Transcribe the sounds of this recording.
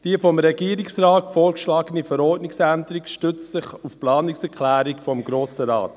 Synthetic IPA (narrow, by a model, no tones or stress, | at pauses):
d̥iəfɔmɾɛɡiəɾiksrɑːtfoːɾkʃlɑːɡənifəɾɔːɾtnɪksænd̪əɾikʃtʏt͡ssɪχufplɑːniksɛkʰlæːɾikfɔmɡɾoːsəɾɑ̰ːt